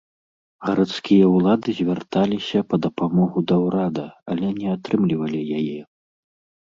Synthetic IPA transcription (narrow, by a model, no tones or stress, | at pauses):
ɣɐɾat̪skʲijɐwlˠad̪ɨzʲvʲart̪alʲisʲɐpɐd̪ɐpamɔɣud̪ɐwɾad̪ɐɐlʲɛnʲɛat̪ɾɨmlʲivɐlʲijajɛ